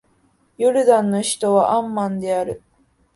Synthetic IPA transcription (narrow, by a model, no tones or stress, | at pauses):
jɯɾɯ̟d̪ãnːo̞çi̥t̪o̞βaʔãmːãnd̪e̞aɾɯ̟